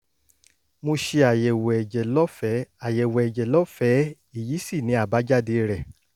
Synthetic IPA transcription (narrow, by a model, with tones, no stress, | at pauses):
mõ˧ʃe˧a˨jɛ˨wd͡ʒɛ˨lɔ˦fɛ˨˦a˨jɛ˨wɛ˨ɛ˨d͡ʒɛ˨lɔ˦fɛ˨˦ | i˦˨ji˨˦si˦˨nĩ˨˦a˦˨ba˨˦d͡ʒa˦˨de˧ɾɛ˨